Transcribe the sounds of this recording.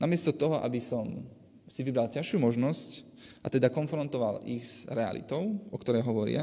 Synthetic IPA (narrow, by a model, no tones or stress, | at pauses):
namɪɛst̪ɔt̪ɔɦɔʔa̰bisɔm | siʋibɾalcaʃuːmɔʒnɔsc | ʔat̪ɛd̪akɔnfɾɔnt̪ɔʋalḭɣz̥ɾɛa̰lḭt̪ɔʊʔɔkt̪ɔɾɛjɦɔʋɔɾɪ̰a̰